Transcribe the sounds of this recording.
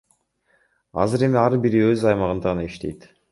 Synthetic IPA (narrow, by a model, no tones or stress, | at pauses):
ɑ̰zɯɾe̞miɑɾbiɾiøzɑjmɑʁɯnd̪ɑʁɯnɑiʃt̪e̞jt̪